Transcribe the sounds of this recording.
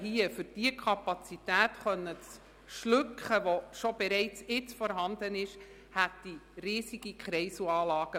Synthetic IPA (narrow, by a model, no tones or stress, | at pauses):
hiəfʏɾd̥iəkʰɑpɑt͡sit̪æːt̪χœnːət͡s | ʃlʉkχəʋoʃobɛɾɛɪt͡sɪt͡sfɔɾɦɑnd̪ənɪʃ | hæt̪ːiriːsiɡ̥ikχɾɛɪsuɑːlɑːɡ̥ə